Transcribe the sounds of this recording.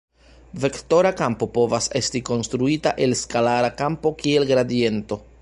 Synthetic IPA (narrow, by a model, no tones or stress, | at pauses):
ve̞kto̞ɾakampo̞po̞vase̞stiko̞nstɾuitaʔe̞lskalaɾakampo̞kie̞lɡɾadie̞nto̞